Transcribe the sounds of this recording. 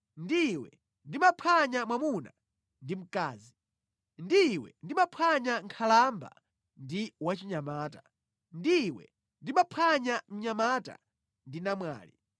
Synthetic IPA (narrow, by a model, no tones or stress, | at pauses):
ndiwɛ̰ | ndimapʰaɲamwamuna̰ | ndim̩kaːzi | ndiwɛ̰ndimapʰaɲaŋkʰalamba̰ | ndiwat͡ʃiɲamaːta | ndiwɛ̰ | ndimapʰaɲam̩ɲamaːta̰ | ndinamwa̰ːlḭ